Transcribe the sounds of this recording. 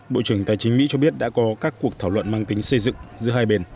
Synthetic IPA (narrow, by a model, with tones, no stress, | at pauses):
ɓo̰˧˨t͡ɕɨ˧˩əŋt̪a̰˧˨jt͡ɕï˨˦ŋ̟mḭ˧˥t͡ɕɔ˧ɓi˦˥ət̚ɗa̰ː˧˥kɔ˨˦kaː˦˥kːu˨˩ək̚t̪ʰaː˧˩wlwə̰˧˨nmaː˧ŋt̪ï˨˦ŋ̟sə˧jzɨ̰˧˨ŋzɨ̰˧˥əɦaː˧jɓe˧n